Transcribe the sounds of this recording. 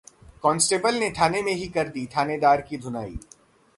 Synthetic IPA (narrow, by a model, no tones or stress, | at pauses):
kɔːnsʈeːbəlnet̪ʰaːnemẽɦikɐɾd̪it̪ʰaːned̪aːɾkid̪ʱʊna̰ːḭː